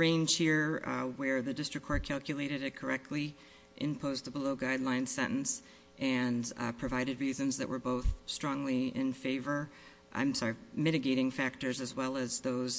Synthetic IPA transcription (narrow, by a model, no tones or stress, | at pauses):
ɹẽɪ̃nʒ̥hiɹwə˞ðɨdɪstɹ̥ɨkʰɔɹkʰælˠkjɨleɪɾɨɾɨt̚kʰə˞ɛk̚tʰˡli | ʔɨ̃npʰoʊzðəbəloʊɡaɪdˡlãɪ̃nsɛ̃ɾ̃ʔn̩s | ʔɨ̃npʰɹ̥ɨvaɪɾɨd̚ɹizɨ̃mzðɨ̰ʔwə̰˞boʊθstɹ̥ɔ̃ŋliɪ̃nfeɪvə˞ | ʔã̰ɪ̃msɑɹimɪɾɨɡeɪɾɪ̃ŋfæk̚tə˞zɨzwɛlˠəzðoʊz̥